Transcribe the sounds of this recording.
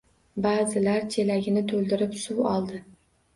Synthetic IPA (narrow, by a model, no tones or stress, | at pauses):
baːzɪlaɾt͡ʃʰelaɡʲɪnɪt̪ʰɵlˠd̪ɪɾɪpsuwɒlˠd̪ɪ